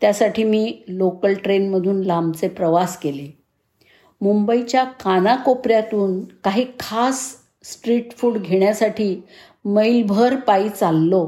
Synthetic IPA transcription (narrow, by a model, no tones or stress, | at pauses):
t̪jasaʈʰiːmiːlokəlʈɾenməd̪ʱuːnlambt͡sepɾəʋaskele | mumbəit͡ɕjakʰanakopɾjat̪uːnkaɦiːkʰasː | ʈɾiʈfuːɽɡʱeɳjasaʈʰiː | məjlbʱəɾpaiːt͡salːo